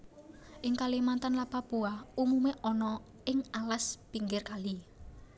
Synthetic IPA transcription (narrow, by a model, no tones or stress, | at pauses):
ʔɪŋkalimant̪anlapapuaumumeʔɔnɔ | ʔɪŋalaspiŋɡɪrkali